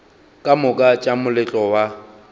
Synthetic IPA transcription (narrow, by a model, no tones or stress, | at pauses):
kʼamʊkʼat͡ʃʼamʊlɛt͡ɬʼɔwa